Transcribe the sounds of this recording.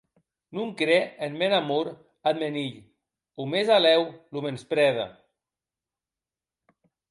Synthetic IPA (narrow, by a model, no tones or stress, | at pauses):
nuŋkɾɛenmɛnamuɾ | ad̪̚meniʎ | umezalɛwlumenspɾɛða̰